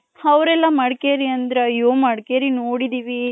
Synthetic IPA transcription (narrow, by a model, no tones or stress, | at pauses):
ɐʋɾɛlːɐmɐɽkeːɾiɐnd̪ɾejoːmɐɽkeːɾinoːɽid̪iːʋi